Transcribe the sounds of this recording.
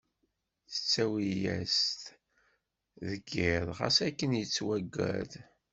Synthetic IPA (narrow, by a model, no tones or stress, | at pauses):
θə̥t͡sːæwijæ̰st̪ | ðəɡɪðʁɑ̰sækːənjət͡sːwæɡːæ̰ð